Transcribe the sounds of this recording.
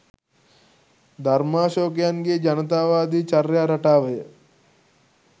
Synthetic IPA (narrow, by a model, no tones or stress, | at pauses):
d̪ʱɐɾmaːʃoːkjaŋɡeːd͡ʒɐnət̪̬aːʋaːd̪iːt͡ʃɐɾjaːɾɐʈaːʋəjə